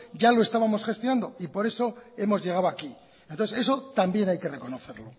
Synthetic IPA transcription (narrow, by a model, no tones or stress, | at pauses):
ʝalo̞e̞st̪aβamo̞sχe̞st̪jonãnd̪o̞ipo̞ɾe̞so̞e̞mo̞zʝe̞ɣ̞awaki | ent̪oθese̞sot̪ambje̞najke̞re̞ko̞no̞θe̞ɾlo̞